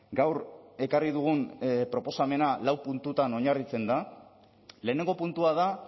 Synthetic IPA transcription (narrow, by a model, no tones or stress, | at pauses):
ɡawɾe̞kariðuɣ̞unpɾo̞po̞same̞nalawpunt̪ut̪ano̞ɲarit͡se̞nd̪a | le̞ːne̞ŋɡo̞punt̪uað̞a